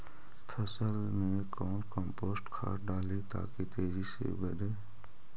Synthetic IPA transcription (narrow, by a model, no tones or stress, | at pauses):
pʰəsəl | mẽ | kɔːnkəmpoːsʈkʰa̰ːʈɖaːlet̪a̰ːkit̪eːzisḛːbəɗe